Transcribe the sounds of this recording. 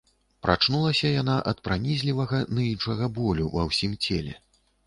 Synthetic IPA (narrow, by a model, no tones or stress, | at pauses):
pɾʔat͡ʂnulˠɐsʲɐjanaʔɐt̪̚pɾanʲizʲlʲivɐɣɐnɨinʂɐɣɐbɔlʲuvɐ̰wsʲimt͡sʲɛlʲɛ̰